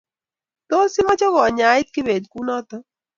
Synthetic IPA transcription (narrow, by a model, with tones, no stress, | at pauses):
t̪o˦si˦mɔ˦t͡ʃɔ˦ɣɔ˨ɲa˦i˦t̪̚ki˦beː˨d̪ku˦nɔ˦t̪ɔ˦